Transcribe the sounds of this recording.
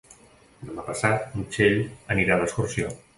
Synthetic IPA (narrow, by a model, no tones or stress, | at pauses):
d̪əmapəsat̪̚mut͡ʃeʎəniɾaləskursio